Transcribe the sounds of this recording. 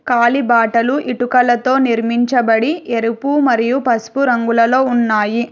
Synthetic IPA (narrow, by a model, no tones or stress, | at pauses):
kaːlibaːʈɐluʔiʈukɐlɐt̪o̞ːniɾmiɲt͡ʃɐbɐɽieɾupumɐɾijupɐspuɾɐŋɡulɐlo̞ːunːaːji